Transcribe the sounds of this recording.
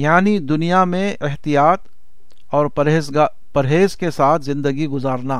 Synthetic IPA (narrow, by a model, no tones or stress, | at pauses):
jaːnid̪ʊnijamẽɪɦt̪ijaːt̪ | ɔːɾe | pɐɾɦeːzkesaːt̪ʰzɪ̃nd̪əɡiɡʊzaːɾnaː